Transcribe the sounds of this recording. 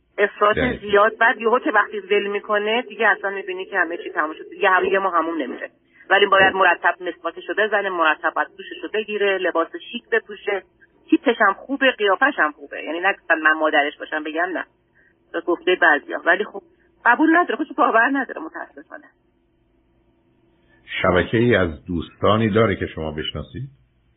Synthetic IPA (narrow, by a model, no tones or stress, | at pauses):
ʔe̞fɾɒːt̪ʰezijɒːd̪̚bæd̪joɦokʰevæχt̪iːvelmiːkʰo̞ne̞d̪iɟeæslænmiːbiːnicʰehæmet͡ʃʰiːt̪ʰæmuːmʃod̪ed̪iɟehæmejemɒːɦæmumne̞mḭɾḛ | vælibɒːjæd̪̚moɾæt̪ʰːæb̚ne̞sbɒːt̪ʰeʃobe̞zænemoɾæt̪ʰːæb̚ɒjæd̪̚kʰuːʃeʃobe̞ɟiːɾele̞bɒːseʃiːkʰbe̞pʰuːʃe̞ | t̪ʰit̪ʰːeʃæmχuːbeɢijɒːfæʃæmχuːbḛjæ̰ːninæɡoft̪ænmænmɒːd̪æɾe̞ʃbɒːʃæmbe̞ɟæmnæ̰ | t̪ʰɒːɡoft̪ejebæːzḭjɒ̰ːvæliːxob̥̚ | ɢ̥æbuːlnæd̪ɒːɾexod̪eʃobɒːvæɾnæd̪ɒ̰ːɾḛmot̪ʰææ̰sːe̞fɒ̰ːne | ʃæbæcʰejiːæzd̪uːst̪ɒːniːd̪ɒːɾecʰeʃomɒ̰ːbeʃnɒ̰ːsiːd̪̥